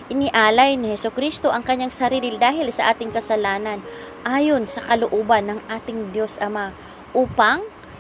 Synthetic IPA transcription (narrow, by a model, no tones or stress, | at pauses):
ʔɪnɪʔaːlɐjnɪhɛsokɾist̪o̞ʔɐŋkɐɲːaŋsɐɾiːlɪld̪aːɦɪlsɐʔaːt̪ɪŋkɐsɐlaːnɐn | ʔaːjo̞nsɐkɐlʊʔoːbɐnːɐŋʔaːt̪ɪŋd̪jo̞sʔɐma | ʔuːpɐŋ